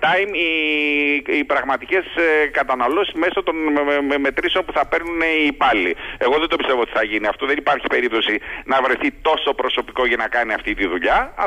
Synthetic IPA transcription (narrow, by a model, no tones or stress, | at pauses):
t̪ɐimi | ipɾɐɣmɐt̪ice̞skɐt̪ɐnɐlo̞sizme̞so̞t̪o̞nme̞t̪ɾiso̞npuθɐpe̞ɾnuneipɐlie̞ɣo̞ðend̪o̞pist̪e̞voot̪i̥θɐʝiniɐft̪o̞ðenipɐɾçi̥pe̞ɾip̚t̪o̞sinɐvɾe̞θit̪o̞so̞pɾo̞so̞pi̥ko̞ʝɐnɐkɐniɐft̪it̪iðuʎɐɐ